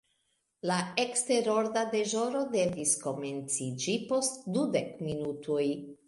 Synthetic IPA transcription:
laekste̞ɾo̞ɾdade̞ʒo̞ɾo̞de̞visko̞me̞nt͡sid͡ʒipo̞stdude̞kminutʰoj

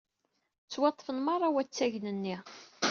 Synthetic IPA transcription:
t͡sːwɑt̪ˤːfənmɑɾˤɑwæt͡sːæʝnənːi

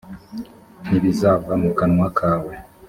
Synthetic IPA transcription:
niβizavɾamukanŋwakʰaːwe

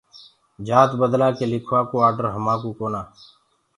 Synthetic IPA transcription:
d͡ʒaːt̪bəd̪laːkelɪkʰʋaːkoːaːɾɖəɾɦəmãːkuːkoːnaː

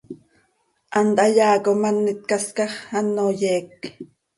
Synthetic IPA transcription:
ʔɑnt̪ʔɑjɑːkomɑnːit̪̚kɑskɑχɑnːojɛːk

